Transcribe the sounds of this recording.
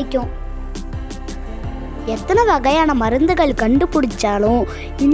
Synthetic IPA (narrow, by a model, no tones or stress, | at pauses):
kʲːõː | et̪ːɐnɐʋɐɣɐjaːnɐmɐɾɐnd̪ɯɣɐɭkɐɳɖɯpːuɽit͡ɕːaːɭũ | in